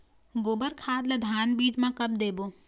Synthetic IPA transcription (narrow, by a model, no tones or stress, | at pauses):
ɡoːbəɾkʰaːd̪ləd̪ʱaːnbiːd͡ʒmãkɐb̚d̪eːboː